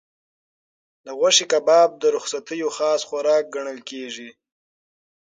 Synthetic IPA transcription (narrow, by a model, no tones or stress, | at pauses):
d̪əɣwaʃikabɑːb̚d̪əɾʊxsat̪əjoxɑːsxaɾɑːk̚ɡaɳ̃əlkeʐi